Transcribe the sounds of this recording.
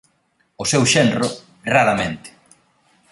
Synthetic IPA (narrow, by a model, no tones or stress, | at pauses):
ʊsɛwʃenrʊ | raɾamẽnt̪ɪ̥